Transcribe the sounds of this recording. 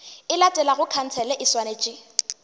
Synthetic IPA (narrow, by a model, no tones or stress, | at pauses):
ɪlatʼɛlaɣʊkʰan̩t͡sʰɛlɛʔɪswanet͡ʃʼɪ